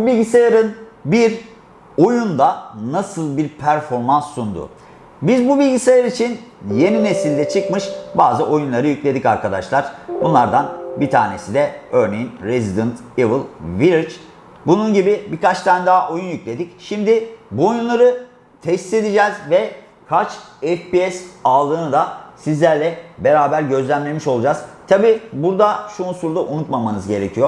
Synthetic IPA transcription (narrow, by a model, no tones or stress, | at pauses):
bubilʲɟisajaɾɯnbiɾ | o̞jund̪anasɯlˠbiɾpʰæɾfo̞ɾmansːund̪ʊ̰ | bizbubilʲɟisajaɾit͡ʃʰinje̞nine̞silʲd̪ɛt͡ʃʰɯkmɯʃbaːzɯʔo̞junlˠaɾɯjyclʲe̞d̪icaɾkʰad̪aʃlˠaɾ̥bunlˠaɾd̪anbit̪ʰa̰ːne̞sid̪ɛøɾne̞jinɾezid̪ɯnt̪evɯlˠviɾit͡ʃ | bununɟibibikat͡ʃt̪ʰænd̪aʔo̞junjyclʲe̞d̪icʃimd̪ɪbuo̞junlˠaɾɯ | t̪ʰɛse̞d̪id͡ʒɛːzvɛ | kʰat͡ʃɛfpiɛsalˠɯːnɯd̪asizlʲæɾlʲɛbe̞ɾaːbæɾɟø̞zlʲæmlʲe̞miʃo̞lˠud͡ʒaz̥t̪ʰabiːbuɾd̪aʃuːnsuɾd̪aʔunut̪mamanɯzɟe̞ɾecʰijo